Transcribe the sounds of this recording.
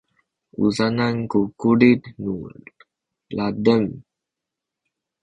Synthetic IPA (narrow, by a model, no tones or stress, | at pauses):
ṵzanankukuɖit̪nu | lad̪əm